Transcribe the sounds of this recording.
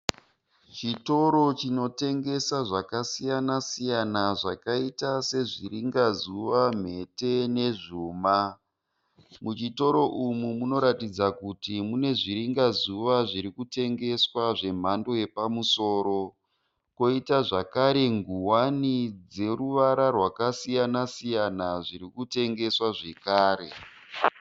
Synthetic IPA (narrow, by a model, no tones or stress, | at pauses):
t͡ʃito̞ɾo̞t͡ʃino̞te̞ŋɡe̞saʐakasijanasijanaʐakaitase̞ʐiɾiŋɡazuʋam̤e̞te̞ne̞ʐuːma | mut͡ʃito̞ɾo̞ʔumumuno̞ɾatid͡zakutimune̞ʐiɾiŋɡazuʋaʐiɾikute̞ŋɡe̞swaʐe̞m̤ando̞je̞pamuso̞ːɾo̞ | ko̞itaʐakaɾe̞ŋɡuwanid͡ze̞ɾuʋaɾarwakasijanasijanaʐiɾikute̞ŋɡe̞swaʐe̞kaːɾe̞̰